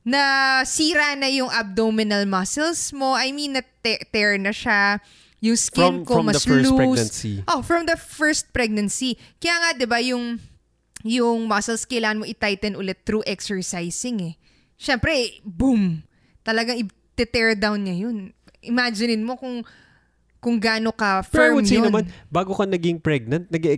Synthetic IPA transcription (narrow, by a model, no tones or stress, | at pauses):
nɐsiːɾanɐjʊŋʔɐb̚d̪omɪnɐlmɐsɛlsmo̞ʔɐjminːɐt̪ɛt̪ɛɹnɐʃa | jʊŋskɪnkomɐslusiʔofɹɐmd̪ɐfɛɹst̪̚pɾɛɡ̚nɐnsikɐjaːŋɐd̪ɪbajʊŋ | jʊŋmasɐlskɐjlaːɐnmoʔɪt̪ajt̪ɛnʔʊlɛt̪ːɾuʔɛksɛɹsajsɪŋɛ | ʃɛmpɾɛbum | t̪ɐlɐɡaŋɪ | t̪ɛt̪ɛɹd̪awnɲɐjon | ʔɪmaːd͡ʒɪnɪnmo̞kʊŋ | kʊŋɡaːnokɐfɛmsijonɐnmanbaːɡokɐnɐɡɪŋpɹɛɡ̚nɐnt̪̚nɐɡɛ